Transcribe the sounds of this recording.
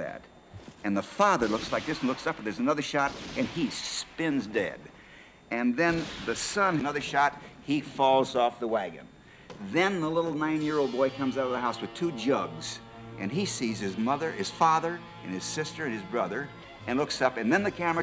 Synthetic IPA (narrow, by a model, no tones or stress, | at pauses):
æ̰ɾ | ɨ̃nðəfɑðə˞lʊkslaɪk̚ðɪsn̩lʊksʌpðə˞zɨnʌðə˞ʃɑɾɨ̃nispɪ̃nzdɛ̰d | ɨ̃nðɨ̃nðɨsʌ̃nɨnʌðə˞ʃɑt̚hifɔlˠzɔfðəwæɡɨ̰̃n | ðɨ̃nðəlɪɾl̩ˠnãɪ̃njɪɹoʊlˠd̚bɔɪkʰʌ̃mzaʊɾʌvðəɦaʊswɨð̥tʰʉd͡ʒʌɡz̥ | ʔɨ̰̃nisiz̥ɨzmʌðə˞ɨz̥fɑðə˞ | ɨ̰̃nɨz̥sɪstə˞ɨ̃nɨzbɹʌðə˞ | ɨ̃nlʊksʌpɨ̃nðɨ̃nðɨkʰæmə˞